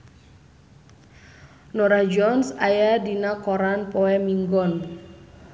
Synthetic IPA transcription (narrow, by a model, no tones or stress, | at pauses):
nɔɾad͡ʒɔnsajadinakɔɾanpɔɛmiŋɡɔn